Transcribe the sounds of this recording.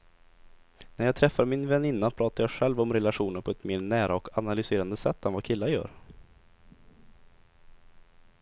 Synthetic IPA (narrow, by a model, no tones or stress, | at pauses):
næɾjɑːt̪ʰɾɛfːaɾmɪnvɛnɪnːapʰɾɑːt̪aɾjaːɧɛlvɔmɾɛlaɧuːnəɾpʰɔɛt̪meːɾnæːɾaɔkanalʏseːɾand̪əsɛt̪ʰːɛnvakʰɪlːajœ̰ːɾ